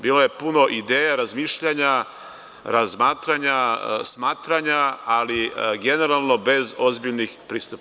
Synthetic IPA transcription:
biːlo̞je̞puno̞ʔid̪e̞ːjaɾazmiːʃʎaɲa | ɾazmaːt̪ɾaɲasmaːt̪ɾaɲaaliɡe̞ne̞ɾalˠno̞be̞zo̞zbiʎnixpɾiːst̪up

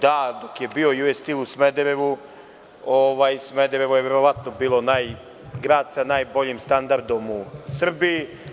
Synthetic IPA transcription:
d̪ad̪o̞kje̞bio̞juest̪ilˠusmed̪eɾeʋu | oʋajsmed̪eɾeʋojeʋe̞ɾo̞ʋat̪nobiːlˠonaj | ɡɾaːd̪sanajbo̞ʎimst̪and̪aɾd̪o̞musr̩biː

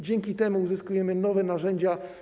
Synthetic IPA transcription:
d͡ʑɛŋkʲit̪ɛmuːzɘskujɛmɘnɔvɛnaʐɛɲd͡ʑa

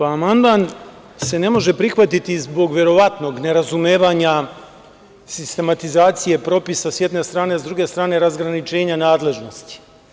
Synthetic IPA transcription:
aamand̪maːn | se̞ne̞mo̞ʒe̞pɾixʋat̪it̪izbo̞ɡʋje̞ɾo̞ʋat̪no̞ɡne̞ɾazumjeːʋaɲa | sist̪e̞mat̪izaːt̪sije̞pɾo̞pisasje̞d̪ne̞st̪ɾaːnezd̪ɾuɡe̞st̪ɾaːne̞ɾazɡɾanit͡ʃe̞ːɲanaːd̪le̞ʒno̞st̪i̥

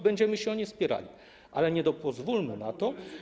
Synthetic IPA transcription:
bɛɲd͡ʑɛmɘɕɛɔɲispʲjɛɾa̰lʲi | ʔa̰lɛɲɛd̪ɔpɔzvulmɘnat̪ɔ

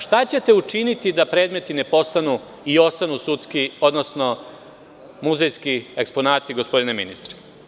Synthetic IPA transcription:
ʃt̪at͡ɕe̞t̪e̞ut͡ʃinit̪id̪apɾeːd̪me̞t̪ine̞po̞st̪anu | io̞st̪anusut̪skio̞d̪nosno̞ | muzejskiekspo̞naːt̪iɡo̞spo̞d̪ineminist̪ɾe̥

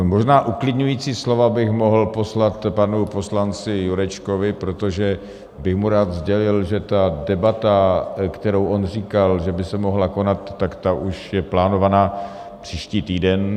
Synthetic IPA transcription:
mo̞ʒnaːʔuklɪdɲujiːt͡siːslo̞vabɪxmo̞ɦl̩po̞slat̪panupo̞slant͡sɪjuɾɛt͡ʃkovɪpɾo̞t̪oʒɛ | bɪxmuɾaːd̪zɟɛlɪlʒɛt̪adɛbat̪akt̪ɛɾowʔonr̝iːkalʒɛbɪsɛmo̞ɦlako̞nat̪ːakt̪aʔuʃjɛplaːno̞vanaː | pr̥iːʃciːt̪iːdɛn

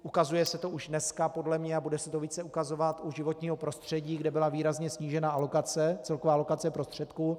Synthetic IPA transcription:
ʔukazujɛsɛt̪o̞uʒdnɛskapo̞dlɛmɲɛabudɛsɛt̪o̞viːt͡sɛukazo̞vat̪uʒɪvo̞t̪ɲiːɦo̞pɾo̞st̪r̝̥ɛɟiːɡdɛbɪlaviːɾazɲɛsɲiːʒɛnaʔalo̞kat͡sɛt͡sɛlkovaːalo̞kat͡sɛpɾo̞st̪r̝̥ɛt̪kuː

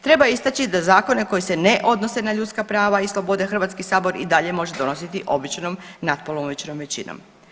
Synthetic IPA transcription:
t̪ɾe̞baist̪at͡ɕid̪azaːko̞ne̞ko̞jiseneʔo̞d̪no̞se̞naʎut̪skapɾaːʋaislˠo̞bo̞d̪exr̩ʋat̪skisaːbo̞ɾḭd̪aʎe̞mo̞ʒe̞d̪o̞no̞sit̪iʔo̞bit͡ʃnomnat̪̚polomʋit͡ʃno̞mʋe̞t͡ɕino̰m

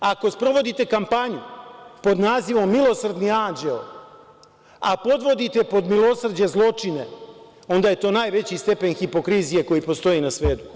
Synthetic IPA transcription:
ako̞spɾo̞ʋo̞d̪it̪e̞kampaɲupo̞d̪naːziʋo̞mːilˠo̞sr̩d̪niaːnd͡ʒel | apo̞d̪ʋo̞d̪it̪e̞po̞d̪milo̞srd͡ʑe̞zlˠo̞t͡ʂine̞ | o̞nd̪aje̞t̪o̞ːnaːjʋe̞t͡ɕist̪e̞pe̞nxipo̞kɾizije̞ko̞jipo̞st̪o̞jinasʋe̞ːd̪u

